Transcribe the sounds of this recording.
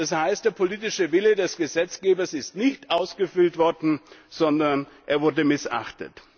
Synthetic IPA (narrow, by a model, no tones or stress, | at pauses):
d̥ashaɪst̚d̥eːɐpʰoliːtɪʃəvɪlədɛsɡ̥əzɛt͡sɡ̥eːbɐsɪstnɪçtʔaʊsɡ̥əfʏltv̥ɔɐdn̩z̥ɔndɐnʔḛːɐvʊɐdəmɪsʔa̰χtə̰t